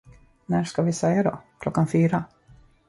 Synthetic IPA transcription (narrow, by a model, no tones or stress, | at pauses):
næːʂkavɪsɛjːad̪ɔ̰kʰlɔkːanfyːɾa